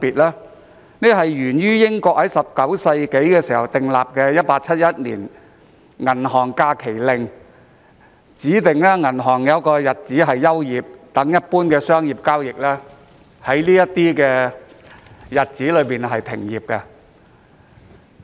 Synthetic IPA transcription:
piː˨t̚lɛː˥ | ne˥ɦɐ˨jɥyː˨˩njyː˥jɪ˥ŋkɔː˧k̚hɐ˨˥jsɐ˨p̚kɐ˨˥wsɐ˧jke˨˥jkɛː˧siː˨˩hɐ˨wt̪ɪ˨˩ŋla̰ː˨p̚kɛː˧jɐ˥t̚paː˧k̚t͡sʰɐ˥t̚jɐ˥t̚lḭː˨˩n | ŋɐ˨˩nɦɔː˨˩ŋkaː˧kʰe˨˩jlɪ˨ŋ | t͡siː˨˥t̪ɪ˨˩ŋlɛː˥ŋɐ˨˩nɦɔː˨˩ŋjɐ˨˥wkɔː˧jɐ˨t̚t͡siː˨˥ɦɐ˨jːɐ˥wjiː˨˩p̚t̪ɐ˨˥ŋjɐ˥t̚puː˥nkɛː˧sœː˥ŋjiː˨˩p̚kaː˥wjɪ˨k̚lɛː˥ | hɐ˨˥jliː˥jɐ˥t̪iː˥kɛː˧ | jɐ˨t̚t͡siː˨˥lɵ˨˧ɥpiː˨nɦɐ˨jt̪ʰɪ̰˨˩ŋjiː˨p̚kɛ˧

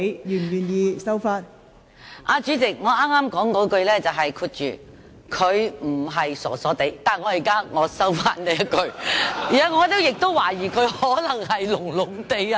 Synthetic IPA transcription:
jyː˨˩nɥyː˨˩njiː˧sɐ˥wfaː˧t̚ | ʔaː˧t͡ʃyː˨˥t͡sɪ˨k̚ŋɔː˨˧aː˥maː˥mkɔː˨˥ŋkɔː˨˧˥kɵ˧ɥlɛː˥t͡sɐ˨wɦɐ˨jkʰuː˧t̚t͡ʃy̰ː˨˩ | kʰɵ˨˧ɥm̩˨˩ɦɐ˨jsɔ̰ː˨˩sɔː˨˥t̪e˨˧˥jt̪aː˨ŋɔː˨˧jiː˨˩kaː˥ŋɔː˨˧sɐ˥wfaː˥nlɛː˥jɐ˥t̚kɵ˧ɥiː˨˩a˨˧˥ŋɔː˨˧˥t̪o˥wjɪ˨k̚t̪o˥wːaː˨˩jiː˨˩kʰɵ˨˧ɥhɔː˨˥lɐ˨˩ŋɦɐ˨jlʊ˨˩ŋlʊ˨˩ŋt̪e˨˧ja˧

